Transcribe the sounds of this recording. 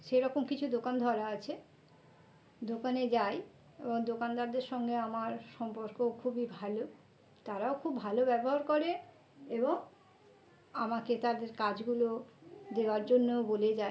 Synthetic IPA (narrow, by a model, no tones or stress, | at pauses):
ʃeɾɔkomkit͡ɕʰud̪okand̪ʱɔɾaat͡ɕʰe | d̪okaned͡ʑaj | eboŋd̪okand̪aɾd̪eɾʃɔŋɡeamaɾʃɔmpoɾkokʰubibʱalo | t̪aɾaokʰubʱalobɛboɦaɾkoɾe | eboŋ | amaket̪ad̪eɾkad͡ʑɡulod̪eoaɾd͡ʑonːooboled͡ʑae